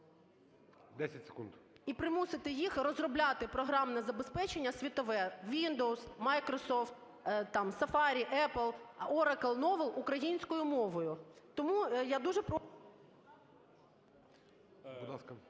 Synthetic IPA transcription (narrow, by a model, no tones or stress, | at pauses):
d̪ɛsʲɐtʲse̥kṵnd̪ | ipɾɪmusɪt̪ɪjixrɔzrɔblʲat̪ɪpɾɔɦɾɑmnɛzɐbespɛt͡ʃenʲːɐsʲʋʲit̪ɔʋɛʋʲind̪owsmɐjkɾɔsɔft̪ | t̪ɑmsɐfɑɾʲiʔɛplˠɔɾɐklˠnɔʋɛlˠukɾɐjinʲsʲkɔjʊmɔʋɔjʊt̪ɔmujad̪uʒɛpɾɔ | bʊd̪lˠaskɐ